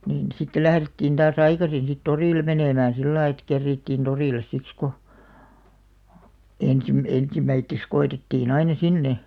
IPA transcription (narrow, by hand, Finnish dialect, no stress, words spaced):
niːn sitːe læhretːiːn d̥ɑːs ɑikɑsin̞ sit toriˑlĕ meneˑmæːæ̃ silːɑi ĕt kerːiːtːiˑn toriˑles siks ko ensim ensimːæitːeks koetetːiːn ɑinɑ sinːe